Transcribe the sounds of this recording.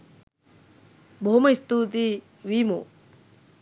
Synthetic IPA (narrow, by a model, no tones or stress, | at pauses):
bʱoːmɐist̪ut̪̬i | ʋimo̰ː